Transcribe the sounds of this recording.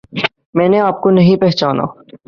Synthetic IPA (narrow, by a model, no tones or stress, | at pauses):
mɛ̃ːneaːp̚konɐɦĩpɛɦt͡ʃaːna̰ː